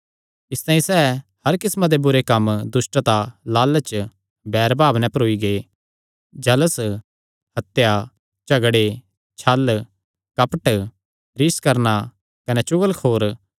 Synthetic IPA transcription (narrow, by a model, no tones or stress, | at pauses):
ɪst̪ãːĩsɛːhɐɾkɪsmãd̪ebʊɾekɐmd̪ʊsʈt̪alaːlt͡ʃ | bɛːɾbaːbnɛ̃pɐɾoːiɡe | d͡ʒɐləs | hɐt̪ja | t͡ʃɐɡɽe | t͡ʃʰɐl | kɐpəʈ | ɾɪskɐɾna | kɐnɛt͡ʃʊɡəlkʰoːɾ